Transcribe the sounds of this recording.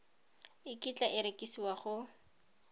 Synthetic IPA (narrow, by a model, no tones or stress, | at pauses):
ɪkit͡ɬʼaʔɪɾekʼisiwaχʊ